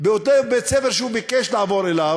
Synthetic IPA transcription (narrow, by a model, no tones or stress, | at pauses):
beot̪ebet͡sefeʁʃeubikeʃlaavo̞ɾela